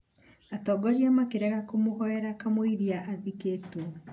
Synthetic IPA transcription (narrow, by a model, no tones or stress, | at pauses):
atɔɡɔɾiamakeɾɛɣakomoɣɔɛɾakamoiɾiaʔaðiketu